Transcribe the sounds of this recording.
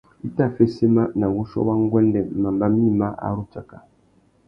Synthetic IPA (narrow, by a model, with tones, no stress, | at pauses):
i˦ta˦fɛ˦si˦ma˦na˨wu˦ʃɔ̰˦wa˦ŋ˦ɡwɛ˦ndɛ˨ma˨mba˦mi˦ma˦ʔa̰˨ɾu˦t͡ʃa˨ka˨